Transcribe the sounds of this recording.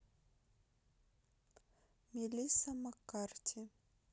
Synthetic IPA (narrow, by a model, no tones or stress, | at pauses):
mʲilʲisamakartʰʲi